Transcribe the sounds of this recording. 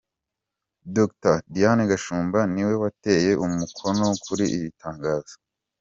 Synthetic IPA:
doktadijaneɡaʃuːmbaniwe̞wate̞ːje̞ʔumukʰo̞nokʰuɾiʔiβitʰaːŋɡaːz̥o̥

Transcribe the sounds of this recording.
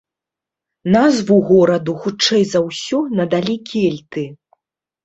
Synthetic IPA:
nazvuɣɔɾɐd̪uxut͡ʂɛjzɐwsʲɔnɐd̪alʲikʲɛlʲt̪ɨ

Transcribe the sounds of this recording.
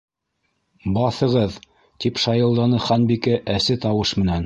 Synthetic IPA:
bɑθɤ̆ʁɤð | t̪ipʃɑjɤ̆lˠd̪ɑnɤχɑnbikɘʔæsɘt̪ɑwɤʃmɘ̆næn

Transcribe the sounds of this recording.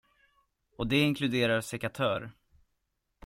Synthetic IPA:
ɔd̪ɛɪŋkʰlɵd̪eːɾaɾsɛkat̪ʰœːɾ

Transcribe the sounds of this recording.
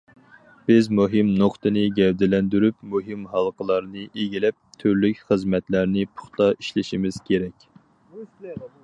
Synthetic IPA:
b̥ɪzmuɦɨmnoqt̪ʰɨnɨɡʲɛwd̪ɪlɛnd̪yɾypmuɦimɦɑlˠqʰəlˠɑɾnɨʔeɡʲilɛp̚t̪ʰyɾlykʲχəzmɛt̪læɾnɨpʰʊ̥χt̪ɑiʃlɪʃimɪz̥kʲʰeɾɛkʲ

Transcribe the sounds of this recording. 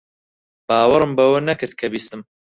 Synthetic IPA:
b̥aːwɐɾɨmbɐwɐnɐkɨɾd̪̚kʰɐbiːst̪ɨm

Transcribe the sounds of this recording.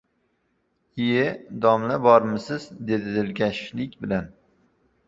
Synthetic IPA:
ijɪd̪ɒmlabɒɾmɪsɪzd̪e̞d̪ɪd̪ɪlɡʲaʃlɪkʲbɪlan

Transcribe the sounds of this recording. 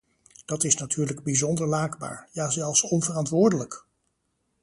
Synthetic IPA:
d̥ɑtɪsnatʰyːɹləɡbizɔndəɹlaːɡba̰ːɹjaːzɛlˠfsɔnvərɑntʋʊːɹdələk

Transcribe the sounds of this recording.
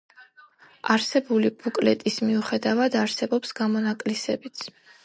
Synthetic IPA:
aɾsɛbulibukʼlɛt̪ʼismiuχɛd̪avad̪aɾsɛbɔpsɡamɔnakʼlisɛbit̪sʰ

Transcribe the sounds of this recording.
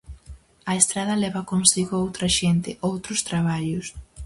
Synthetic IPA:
ɐest̪ɾaðɐlɛβɐkonsiɣʊowt̪ɾɐʃent̪ɪʔowt̪ɾʊst̪ɾaβaʎʊs

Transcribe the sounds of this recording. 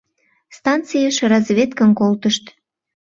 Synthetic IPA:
st̪ɑnt͡sijəʃrɑzβʲet̪kə̆nkolt̪əʃt̪

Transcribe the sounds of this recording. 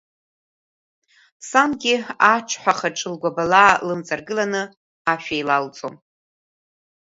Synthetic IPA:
samɡʲiaʈ͡ʂʷʰħʷaχaʈ͡ʂʼɨlɡʷabalaːlɨmt͡sʼarɡɨlanɨ | aʃᶣajlalt͡sʼom

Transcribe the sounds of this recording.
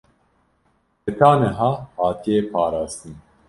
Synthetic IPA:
et̪ʰaːnɛɦaːhaːt̪ʰiepʰaːɾaːzt̪ɨn

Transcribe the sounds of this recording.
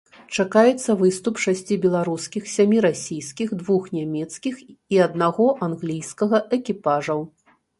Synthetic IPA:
t͡ʂakajɛt̪sːɐvɨst̪upʂasʲt͡sʲibʲɛlˠaɾuskʲixsʲamʲiɾasʲijskʲixd̪vuxnʲamʲɛt̪skʲixiɐd̪naɣɔʔanɣlʲijskɐɣɐʔɛkʲipaʐɐw

